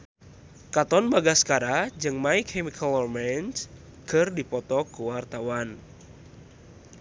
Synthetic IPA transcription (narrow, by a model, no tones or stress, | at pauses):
kat̪ɔnbaɡaskaɾad͡ʒɨŋmaikʰɛmikʰalmɛns | kɨrdipɔt̪ɔkuwart̪awan